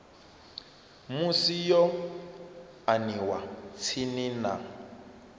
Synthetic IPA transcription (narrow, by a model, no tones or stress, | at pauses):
musijɔ | aniwat͡sʰinina̰